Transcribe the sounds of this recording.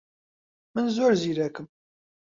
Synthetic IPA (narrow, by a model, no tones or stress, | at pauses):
mənzʊɾziɾækəm